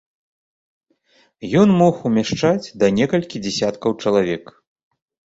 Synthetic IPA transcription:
jɔnmɔxumʲaʂt͡ʂad͡zʲd̪ɐnʲɛkɐlʲkʲid͡zʲɛsʲat̪kɐwt͡ʂɐlˠavʲɛk

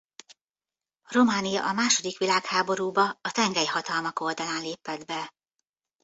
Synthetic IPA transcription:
ro̞maːnijɒ̰ʔɒmaːʃo̞d̪ikʋilaːkhaːbo̞ɾuːbɒːt̪ɛŋɡɛjhɒt̪ɒlmɒko̞ːld̪ɒlaːnleːpɛd̪bɛ

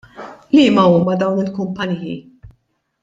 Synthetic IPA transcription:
liːmɐuːmɐd̪ɐwnɪlkʊmpɐnijḭ

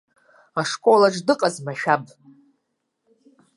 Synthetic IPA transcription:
aʂkʼolaʈ͡ʂdɨqʼazmaʃᶣab

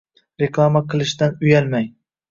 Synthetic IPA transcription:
ɾeklˠamaqʰɨlˠɪʃd̪anʊjalmaj

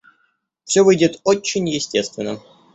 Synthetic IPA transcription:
fsʲovɨjdʲɪt̪ot͡ɕːɪnʲjɪsʲtʲest̪vʲɪnːə

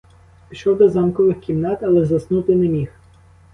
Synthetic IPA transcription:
ʃt͡ʃɔwd̪ɔzɑmkɔʋɪxkʲimnɑt̪ɐlˠɛzɐsnut̪ɪnɛmʲix

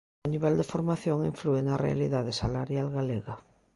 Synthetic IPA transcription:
niβ̞ɛld̪efoɾmaθjoŋiɱfluenarḛa̰liðaðesalaɾjalɣaleɣa

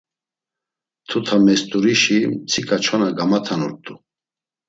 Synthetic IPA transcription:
t̪ʰut̪ʰamɛst̪ʼuɾiʃimt͡sʰikʼat͡ʃʰɔnaɡamat̪ʰanṵɾt̪ʼu

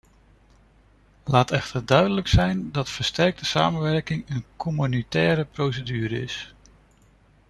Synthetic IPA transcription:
laːtɛχtʰəɹdœɥdələksɛjndɑtfəɹstɛɹk̚dəsa̰ːmənʋɛɹkɪŋənkɔmynitɛːɾəprowsədyːɾəɪs

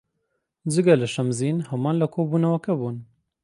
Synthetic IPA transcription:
d͡ʒɨɡɐlɨʃɐmziːnhɐmɑːnlɐkʰoːbuːnɐwɐkɐbuːn

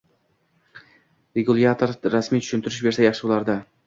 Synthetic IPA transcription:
ɾeɡulˠjat̪ʰoɾɾasmijt͡ʃʰʊ̥ʃʊnt̪ʰɪɾɪʃbe̞ɾsajɑχʃɪbolˠaɾd̪a

